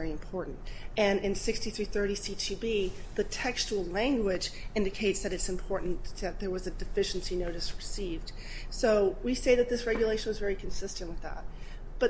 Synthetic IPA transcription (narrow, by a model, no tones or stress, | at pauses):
ɹiɨ̃mpʰɔɹʔn̩tɨ̃nɪ̃nsɪkstiθɹiθɜ˞ɾisit͡ʃʰibiðɨtʰɛkst͡ʃul̩ˠlæ̃ŋɡwɪd͡ʒɪ̃ndɨkʰeɪtsðɨɾɨtsɨ̃m̩pʰɔɹʔn̩ðɨt̪̚ðə˞wʌzɨdɨfɪʃn̩sinoʊɾɨsɹɨsivd̥ | soʊwiseɪðɨt̪̚ðɪsɹɛɡjɨleɪʃn̩wʌzvɛɹikʰn̩sɪstɨ̃nʔwəðæ̰t̚ | b̥ʌ